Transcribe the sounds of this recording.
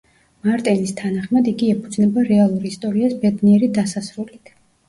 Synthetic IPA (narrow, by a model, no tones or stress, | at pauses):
maɾt̪ʼɛlist̪ʰanaχmad̪iɡiɛpʰud̪znɛbaɾɛalˠuɾist̪ʼɔɾiasbɛd̪niɛɾid̪asasɾulikʰ